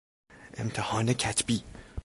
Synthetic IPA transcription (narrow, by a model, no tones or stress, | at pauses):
ʔḛmt̪ʰehɒːnecʰæt̪ʰbiː